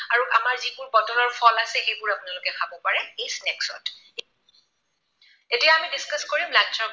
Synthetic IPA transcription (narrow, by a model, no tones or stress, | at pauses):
aɹuʔamaɹzibʊɹpɔtɔlɔɹpʰɔlasɛxejbʊɹapʊnalʊkɛkʰabɔpaɹɛejsnɛksɔ̰t | etijaamidiskaskoɹimladsɔ